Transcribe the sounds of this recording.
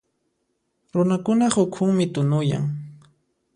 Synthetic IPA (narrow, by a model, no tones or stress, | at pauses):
ɾʊnakʊnahʊkʰʊŋmɪt̪ʊnʊja̰ŋ